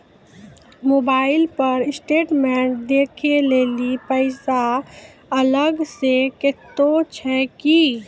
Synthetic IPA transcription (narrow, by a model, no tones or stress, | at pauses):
moːbaːɪlpɐɾɪsʈeːʈmɛ̃ːʈd̪eːkʰeleːlipəɪsa | ɐləɡsekɪt̪ːot͡ʃʰɛːki